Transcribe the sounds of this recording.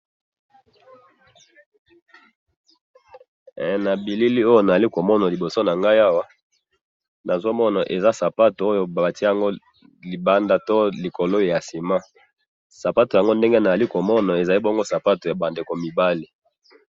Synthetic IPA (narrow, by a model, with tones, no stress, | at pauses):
na˨bi˨li˦li˦o˦jo˦na˨za˨li˦ko˨mɔ˦na˨li˨bo˨so˦na˨ŋɡa˦ja˦wa˦ | na˨zo˦mɔ˦na˨ʔe˨za˦sa˨pa˦to˨o˦jo˦ba˨ba˨ti˦a˨ŋɡo˦ | li˨ba˦nda˦to˦li˨ko˨lo˦˨ja˨si˨ma˦ | sa˨pa˦to˨ja˨ŋɡo˦nde˦ŋɡe˦na˨za˨li˦ko˨mɔ˦na˨e˨za˨li˦bo˦ŋɡo˦sa˨pa˦to˨ja˨ba˨nde˨ko˨mi˨ba˦li˨